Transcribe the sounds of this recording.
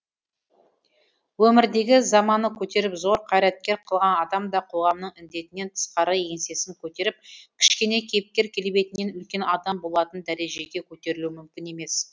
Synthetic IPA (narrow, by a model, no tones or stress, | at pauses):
wɵmɪɾd̪e̞ɡʲɪzɑmɑnəkʲʰɵt̪e̞ɾɪpzo̞ɾqʰɑjɾæt̪̚kʲe̞ɾqʰəlˠʁɑnɑd̪ɑmd̪ɑqʰo̞ʁɑmnəɴɪnd̪e̞t̪ɪne̞nt̪ʰə̥sqɑɾəje̞nse̞sɪŋkʲʰɵt̪e̞ɾɪp̚kʲʰɪ̥ʃkʲe̞ne̞kʲʰejp̚kʲe̞ɾkʲʰe̞lbe̞t̪ɪne̞nʏlkʲe̞nɑd̪ɑmbolˠɑt̪ənd̪æɾe̞ʒe̞ɡʲe̞kʲʰɵt̪e̞ɾɪluwɪmʏmkʲɪne̞me̞s